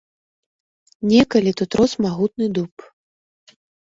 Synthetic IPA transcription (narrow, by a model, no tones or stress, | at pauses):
nʲɛkalʲit̪ut̪ɾɔsmaɣut̪̚nɨd̪up